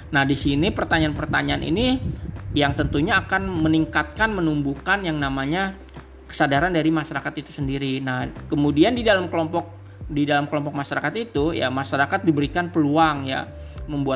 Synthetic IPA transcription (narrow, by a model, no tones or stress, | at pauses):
nahdisinipərt̪aɲaanpərt̪aɲaanʔḭni | jaŋt̪ənt̪uɲaːkanməniŋkat̪̚kanmənumbukanjaŋnamaɲa | kə̥sadaɾandaɾimaʃaɾakat̪it̪u̥səndiɾinahkəmudiandidalamkəlɔmpɔk̚ | didalamkəlɔmpɔk̚maʃaɾakat̪it̪uja̰maʃaɾakat̪̚dibəɾikanpəluaŋja̰ | məmbua